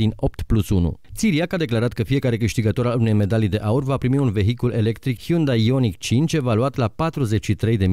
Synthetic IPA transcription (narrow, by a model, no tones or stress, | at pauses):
ino̞p̚t̪plusunṵt̪siɾiakad̪e̞klaɾat̪̚kəfije̞kaɾe̞kɨʃt̪iɡət̪o̞ɾalune̞jme̞d̪alid̪e̞ʔaurvapɾimiunve̞ɦikule̞le̞kt̪ɾikhiund̪aio̞nikt͡ʃint͡ʃe̞valuat̪lapat̪ɾuze̞t͡ʃʲʃit̪ɾe̞jd̪e̞